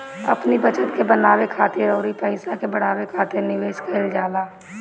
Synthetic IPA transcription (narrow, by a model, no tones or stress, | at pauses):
ɐ̰pnibɐt͡ʃət̪kebɐnaːwekʰaːt̪iɾoːɾipɐɪsakebɐɽ̃aːwekʰaːt̪ɪɾnɪʋeːʃkɐld͡ʒaːd̪aː